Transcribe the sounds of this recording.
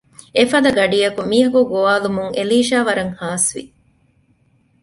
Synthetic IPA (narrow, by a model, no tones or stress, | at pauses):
efɐd̪ɐɡɐɖijɐkumiːɦɐkuɡoʋaːlumuŋeliːʃaːʋɐɾɐŋhaːsʋḭ